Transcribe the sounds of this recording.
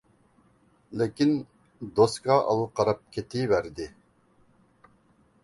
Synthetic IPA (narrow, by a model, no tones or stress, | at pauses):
lɪkʲin | d̪oskɑɑ̰lˠɨqʰɑɾɑp̚kʲʰet̪ʰɪvæɾd̪ɪ